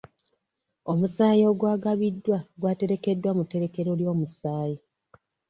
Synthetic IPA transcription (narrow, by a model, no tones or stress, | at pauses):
o̞musaːjo̞ɡwaːɡaβidːwaɡwaːte̞ɾe̞ke̞dːwamute̞ɾe̞ke̞ɾo̞ljo̞ːmusaːji